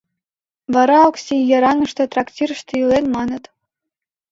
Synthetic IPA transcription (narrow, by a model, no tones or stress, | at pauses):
vɑɾɑɑksʲijɑɾɑŋɤ̆ʂt̪ɤ̆t̪rɑktʲirə̆ʃt̪ɤilenmɑnɤ̆t̪